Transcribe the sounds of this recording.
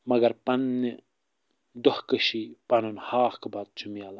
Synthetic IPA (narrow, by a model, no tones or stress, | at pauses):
mɐɡɐɾpɐnːi | d̪ohkəʃipɐnunhaːxkbaːt̪̚t͡ʃumijaːlɐ